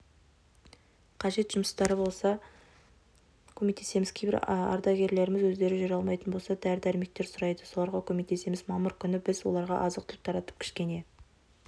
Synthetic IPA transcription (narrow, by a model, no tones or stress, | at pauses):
qʰɑʒe̞t̪ʒ̥ʊmsə̥st̪ɑɾəbo̞lˠsɑ | kʲʰɵme̞k̚t̪e̞se̞mɪz̥kʲʰejbɪɾɑ̰ɾd̪ɑɡʲe̞ɾle̞ɾɪmɪzwɵzd̪e̞ɾɪʒʏɾɑlˠmɑjt̪ənbo̞lˠsɑd̪æɾd̪æɾɪme̞k̚t̪e̞ɾsʊɾɑjd̪əso̞lˠɑɾʁɑkʲʰɵme̞k̚t̪e̞se̞mɪzmɑməɾkʲʰʏnɪbɪzwo̞̰lˠɑɾʁɑ̰ʔɑzəq̚t̪ʰlp̚t̪ʰɑɾɑt̪ə̥p̚kʲʰɪ̥ʃkʲe̞ne̞